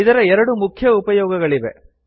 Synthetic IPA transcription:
id̪ɐɾɐɛɾɐɽumukʰjɐupɐjɔːɡɐɡɐɭiʋḛ

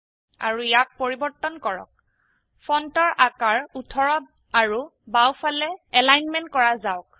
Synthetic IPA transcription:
a̰ɹujak̚poɹibɔɹtːɔnkɔɹɔ̰k̚ | pʰɔntɔɹʔakaɹutʰɔɹɔ | aɹubawpʰalɛɛlajnmɛnt̚kɔɹazaʊk̚

